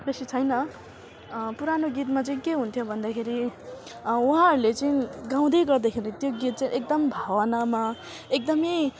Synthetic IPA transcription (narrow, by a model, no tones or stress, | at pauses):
besit͡sʰʌjnʌ | puɾanoɡit̪mat͡sʌĩkeɦunt̪ʰjobʱʌnd̪akʰeɾi | uɦãʌɾulet͡saĩɡãw̃d̪ʌjɡʌrd̪akʰeɾʌ̃t̪joɡit̪̚t͡saĩʔek̚d̪ʌmbʱawʌnama | ek̚d̪ʌmej